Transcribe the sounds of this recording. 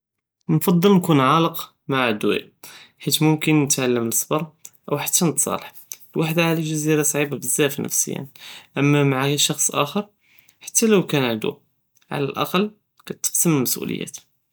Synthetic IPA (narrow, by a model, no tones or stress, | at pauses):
nfɑd̪ˤːəlnkunʕɑləq | maʕʕd̪w̰ħit̪mʊmkənːət̪ʕalːəməsˤbɑɾˤʔəwħḁt̪ːænət̪sˤɑ̰ləħ | lwaħd̪aʕliʒæziɾɑsˤʕibabəzːæfnə̰fsə̰jːæ̰nʔæmːæmaʕaʃɑxsˤʔæ̰xəɾˤ | ħḁt̪ːæləwkænʕəd̪ṵ | ʕa̰læ̰lʔɑ̰qɑlː | kæt̪ːə̥qsəməlməsʔṵlə̰jːæ̰t̪